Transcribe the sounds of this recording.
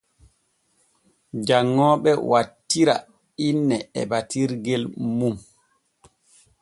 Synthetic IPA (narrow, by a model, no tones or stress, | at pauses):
d͡ʒaŋːɔːɓɛwatːiɾa̰ | inːɛɛ̰batiɾɡɛlmum